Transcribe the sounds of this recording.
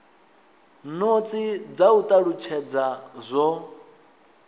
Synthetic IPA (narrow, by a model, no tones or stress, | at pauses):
not͡sʼid͡zaut̪ʼaɺut͡ʃʰɛd͡zazʷɔ